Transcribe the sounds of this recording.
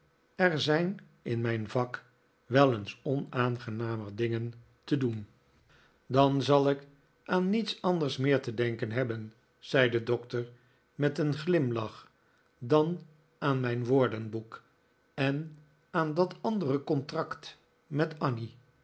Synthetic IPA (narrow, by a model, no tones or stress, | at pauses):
ɛɹzɛjn | ɪnmɛjnvɑk | ʋɛlˠənsɔnaːnχənaːmərdɪŋən | tədun | dɑnzɑlˠɪk | ʔaːnːitsɑndəɹsmɪːɹtədɛŋkənɦɛbən | z̥ɛjdədɔktəɹ | mɛtənχlɪmlɑχ | dɑn | ʔaːnmɛjnʋoːɹdənbuk | ɛn | aːndɑtɑndərəkɔntrɑkt | mɛtɑni